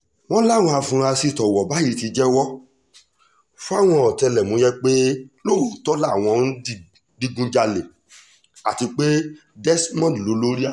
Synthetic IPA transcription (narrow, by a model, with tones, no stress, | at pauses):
w̃ɔ̃˦la˦˨w̃ɔ̃˧a˧fũ˧ɾã˧si˧˨tɔ˨wɔ˨ba˨˦ji˨˦ti˧˦d͡ʒɛ˦wɔ˦ | fu˦a˦˨w̃ɔ̃˧ɔ˨tɛ˧lɛ˨mõ˨˧˦jɛ˦k͡pe˦lo˦˨o˨tɔ˦la˦˨w̃ɔ̃˧n̩˦ | di˧ɡũ˧d͡ʒa˧le˨ | a˨ti˧k͡pe˦ | dɛ˦smɔ̃˦˨dlo˨˦lo˦ɾi˦a˦